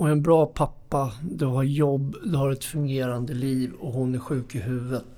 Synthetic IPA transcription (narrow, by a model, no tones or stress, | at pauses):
ɔɛnbɾɑːpʰapːad̪ɵɦaɾjɔbːd̪ɵhaɾɛt̪fɵŋɡeːɾand̪əliːvɔɦʊnæɾɧʉ̟ːkɪɦʉ̟ːvət̪